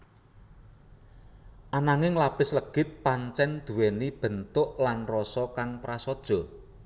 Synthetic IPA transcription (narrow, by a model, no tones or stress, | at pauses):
ʔanaŋɪŋlapɪsləɡ̥ɪ̤t̪̚paɲt͡ʃɛnd̪̥ṳwɛnib̥ə̤nt̪ʊʔlanrɔsɔkaŋpɾasɔd̥ʒ̥ɔ̤